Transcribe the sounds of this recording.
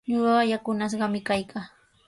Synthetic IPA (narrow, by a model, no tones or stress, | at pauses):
ɲoɢɑjakʊnas̬ɢɑmɪkajkʰaː